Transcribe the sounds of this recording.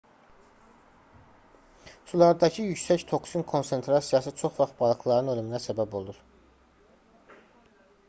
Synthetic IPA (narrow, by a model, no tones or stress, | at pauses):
sulˠɑɾd̪ɑcʰijycsæct̪ʰo̞ksinkʰo̞nse̞nt̪ʰɾɑsijɑsɯt͡ʃʰo̞χvɑχbɑlˠɯkʰlˠɑɾɯnølyminæsæbæbo̞lˠuɾ